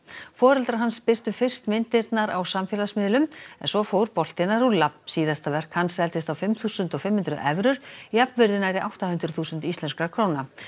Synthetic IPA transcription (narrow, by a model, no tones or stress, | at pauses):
fɔːɾɛlt̪ɾaɾɦanspɪr̥t̪ʏfɪr̥st̪mɪnt̪ɪɾt̪naɾawsamfjɛlasmɪːðlʏmɛnsvɔfowɾpɔl̥t̪ɪnaɾulːapnsiːðast̪avɛr̥khansɾɛlt̪ɪst̪awfɪmθuːsʏnt̪ɔɣfɪmhʏnt̪ɾʏʔɛvɾʏɾ̥iapnvɪɾðɪnaɾɪʔawht̪ahʏnt̪ɾʏθuːsʏnt̪ist̪ɛnskɾakʰɾoːwna